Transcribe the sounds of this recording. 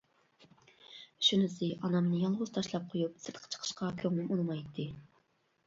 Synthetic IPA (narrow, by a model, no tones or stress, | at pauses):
ʃynɪsɪʔɑnɑmnɨjɑlˠʁʊz̥t̪ʰɑʃlˠɑp̚qʰojupsɨɾt̪qʰə̥t͡ʃʰə̥qʰə̥ʃqʰɑkʲʰøŋnɪmunɨmɑjt̪ʰːɨ